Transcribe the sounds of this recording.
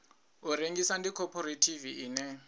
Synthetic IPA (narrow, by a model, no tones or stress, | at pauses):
uɾeŋɡisandikʰɔpʰɔɾetʰiviʔiːnɛ